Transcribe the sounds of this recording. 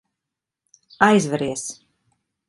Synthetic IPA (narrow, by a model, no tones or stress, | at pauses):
ajzvɛɾiɛs